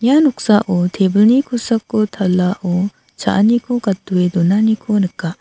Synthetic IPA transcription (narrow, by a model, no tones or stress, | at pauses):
ɲianok̚saʔot̪ʰebɯnikʰusak̚ːot̪ʰalːaʔo | t͡ɕa̰ʔanikʰokat̪ːued̪onanikʰonɯkːa